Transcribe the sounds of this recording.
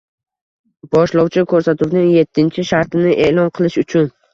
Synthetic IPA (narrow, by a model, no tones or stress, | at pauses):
bɒʃlɒwt͡ʃʰɪkʰɵɾsat̪ʰʊwnɪŋje̞t̪ʰːɪnt͡ʃʰɪʃaɾt̪ʰɪnɪʔeʔlˠɒnqʰɨlˠɪʃʊt͡ʃʰʊn